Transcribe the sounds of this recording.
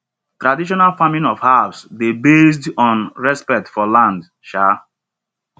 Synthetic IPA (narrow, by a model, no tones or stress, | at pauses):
tɾadiʃ̬ɔnalfamĩnɔvhavsdebes̬dɔ̃nɹɛspɛk̚tfɔlãnd | ʃa